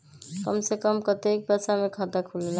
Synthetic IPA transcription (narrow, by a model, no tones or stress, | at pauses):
kʌmsekəmkʌt̪ek̚bɛsamekʰʌt̪akʰulela